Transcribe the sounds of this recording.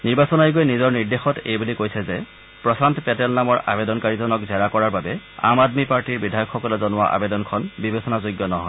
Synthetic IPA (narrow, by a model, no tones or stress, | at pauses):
niɹbasɔnajɡojnizɔɹniɹdexɔtḛjbulikojsɛzɛ | pɹɔsantpɛtɛlnamɔɹa̰bedɔnkaɹizɔnɔkzɛɹakɔɹaɹbabɛa̰madmipaɹtiɹbidʱajɔkxːɔkɔlɔzɔnʊwa̰ʔa̰bedɔnkʰɔnbibesɔnazojɡːɔnɔɦɔ̰jj